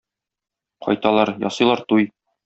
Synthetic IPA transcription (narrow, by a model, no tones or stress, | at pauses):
qɒ̰jt̪ɑlˠɑɾjɒ̰sɤ̆jlˠɑɾt̪uj